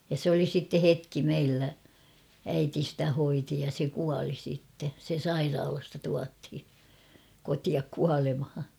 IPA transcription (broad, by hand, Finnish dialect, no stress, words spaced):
jɑ sĕ oli sitːe hetki meilːæ æiti stæ hoiti jɑ se kuɑli sitːe se sɑirɑːlɑstɑ tuɑthi kotiɑk kuɑlemhɑ